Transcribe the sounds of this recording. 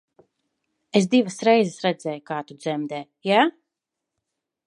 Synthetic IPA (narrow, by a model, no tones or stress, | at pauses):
es̬d̪ivəsɾɛjzɛsɾɛd̪zɛːjukaːt̪ud̪zɛmd̪ɛː | jaː